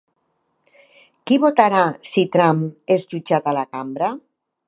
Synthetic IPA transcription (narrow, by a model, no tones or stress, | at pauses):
kiβot̪aɾasit̪ɾamezʎud͡ʒat̪alakambɾa